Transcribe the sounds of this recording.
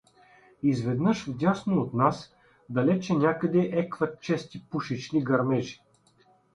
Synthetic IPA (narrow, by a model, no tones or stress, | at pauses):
izvɛd̪nəʃvd̪ʲasnoot̪nas | d̪ɐlɛt͡ʃɛnʲakəd̪ɛʔɛkvɐt̪̚t͡ʃɛst̪ipuʃit͡ʃniɡɐɾmɛʒi̥